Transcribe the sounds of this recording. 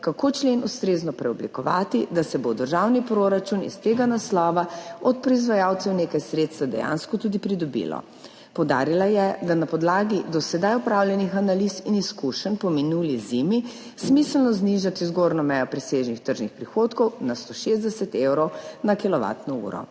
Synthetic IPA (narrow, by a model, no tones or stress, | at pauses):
kakot͡ʃlenust̪ɾeznɔpɾɛɔblikɔʋa̰ːt̪id̪asɛbod̪əɾʒawnipɾoɾat͡ʃunḭst̪eɡanaslɔːʋaɔt̪̚pɾɔizʋajawt̪sɛwneːkajsɾeːt̪st̪ʋad̪ɛ̰ja̰nskɔt̪uːd̪ipɾid̪ɔbḭlɔ̰ | pɔwd̪a̰ːɾilajɛd̪anapɔd̪laːɡid̪ɔsɛd̪ajɔpɾaːwljɛnixanalisiniskuʃənpɔminuːlizimi | smisəlnɔzniʒat̪izɡoɾnɔmɛjɔpɾɛseʒnixt̪əɾʒnixpɾixoːt̪kɔwnast̪oʃezd̪ɛsɛt̪ewɾɔwnakilɔʋa̰ːt̪nɔṵːɾɔ̰